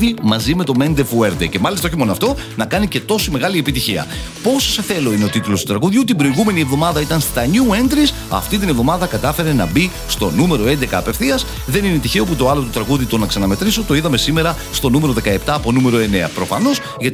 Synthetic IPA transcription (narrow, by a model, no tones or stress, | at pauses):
ðimɐzime̞t̪o̞me̞nd̪efueɾd̪ece̞mɐlist̪ɐo̞ç̬imo̞noɐft̪o̞ | nɐkɐnice̞t̪o̞sime̞ɣɐlie̞pit̪içiɐ̰ | po̞soseθe̞lo̞ine̞ot̪it̪ulo̞st̪ut̪ɾɐɣuðjut̪imbɾoiɣume̞nie̞vðo̞mɐðɐit̪ɐnst̪ɐɲue̞nd̪ɾis | ɐ̰ft̪it̪ine̞vðo̞mɐðɐkɐt̪ɐfe̞ɾe̞nɐbi | st̪o̞nume̞ɾo̞e̞nd̪ekɐːpefθiɐs | ðe̞nine̞t̪içe̞o̞put̪o̞ɐlo̞t̪ut̪ɾɐɣuðit̪o̞nɐksɐnɐme̞t̪ɾisot̪o̞iðɐme̞sime̞ɾɐ | st̪o̞nume̞ɾo̞ðe̞kɐe̞pt̪ɐːpo̞nume̞ɾo̞e̞ne̞ɐ̰pɾo̞fɐno̞s | ʝɐt̪